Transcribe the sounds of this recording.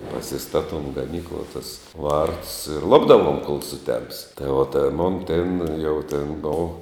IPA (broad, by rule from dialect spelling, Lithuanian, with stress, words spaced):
pɐsʲɪˈstɑːtoːm ɡɐˈnʲiːklˠuɔ tʊs ˈʋɐrtʊs ɪr ˈlˠʊbdɐʋuɔm koːlˠ sʊˈtʲɛms tɐɪ oː ˈtʲɛn ˈmoːn ˈtʲɛn jɛʊ tʲɛn ˈboːw